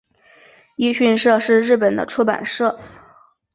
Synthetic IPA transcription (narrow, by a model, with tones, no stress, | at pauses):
i˥ɕy˥˧nʂɤ˥˧ʂɻ̩˥˧ɻɻ̩˥˩pə˨˩nd̪ə̰˦ʈ͡ʂʰu˥pa̰˨˩nʂɤ˥˩